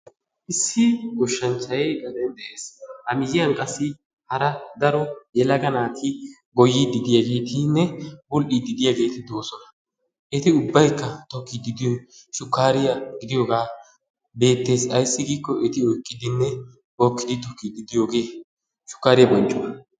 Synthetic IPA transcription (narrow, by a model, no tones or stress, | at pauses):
ʔɪsːɪɡɔʃːɐnt͡ʃːɐjɛɡɐd̪ɛnd̪ɛʔeːshɐmɪjɪjɐŋkʼɐsːɪ | hɐɾɐd̪ɐɾɔjɛlɐɡɐnaːt̪ʰɪ | ɡɔjːɪd̪ɪd̪ɪjaɡe̞ːt̪ɪnːɛbʊlʔid̪ɪd̪ɪjaɡe̞ːt̪ɪd̪o̞ːsɔnɐ | ʔɛt̪ɪʊbːɐjkːɐt̪ɔkːɪd̪ɪd̪ɪjoʃʊkːaːɾɪjɐɡɪd̪ɪjɔɡaː | be̞ːt̪ːe̞ːsɐjsːɪɡiːkːɔʔɛt̪ɪɔjkʼːɪd̪ɪnːɛ | ɔkːɪd̪ɪt̪ɔkːid̪ɪd̪ɪjoːɡe̞ː | ʃʊ̥kːaːɾɪjɐbɔnt͡ʃʼːɔwɐ